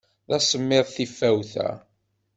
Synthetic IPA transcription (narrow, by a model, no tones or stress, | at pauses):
ðæsəmːɪðˤθifːæwθæ̰